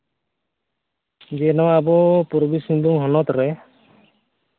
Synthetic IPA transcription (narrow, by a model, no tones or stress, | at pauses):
d͡ʒenɔabɔpɔɾbisiŋbuŋɦɔnɔt̪ɾɛ